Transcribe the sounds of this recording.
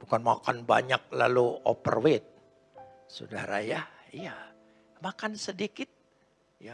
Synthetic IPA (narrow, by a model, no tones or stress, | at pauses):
bukanmakanba̰ɲak̚laluopə̰rwɪt̪̚ | so̰daɾajah | ija | makansədikɪt̪̚ | ja